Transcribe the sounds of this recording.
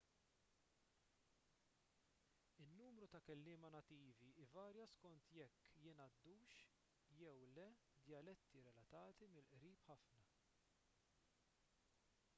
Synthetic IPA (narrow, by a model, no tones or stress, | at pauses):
ɪnːuːmɾut̪ɐkɛlːɪːmɐnɐt̪iːviɪvɐːɾjɐskɔnt̪jɛkːjɪnɐd̪ːuːʃ | jɛwlɛ | d̪jɐlɛt̪ːiɾɛlɐt̪ɐːt̪imɪlʔɾiːpħɐfnɐ